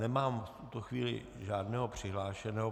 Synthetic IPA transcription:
nɛmaːmft̪ut̪oxʋiːlɪ̰ | ʒaːdnɛːɦopr̥ɪɦlaːʃɛnɛɦo

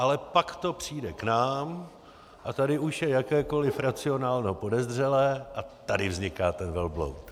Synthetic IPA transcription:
ʔalɛpakt̪o̞pr̝̥iːdɛknaːm | ʔat̪adɪʔuʃjɛjakɛːko̞lɪfɾat͡sɪo̞naːlɲɦopo̞dɛzdr̝ɛlɛːʔat̪adɪvzɲɪkaːt̪ɛnvɛlblo̰wt̪

